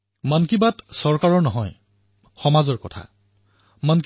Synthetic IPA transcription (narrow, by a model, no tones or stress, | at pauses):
mankibatsɔɹkaɹɔɹnɔɦɔj | xɔmazɔɹkɔtʰa̰ | mank